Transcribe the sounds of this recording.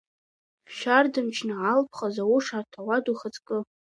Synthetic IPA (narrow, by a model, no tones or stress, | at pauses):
ʃᶣardɨmt͡ʃʰnaʕalpʰχazawʊʂatʰawaduχət͡sʼkʼɨ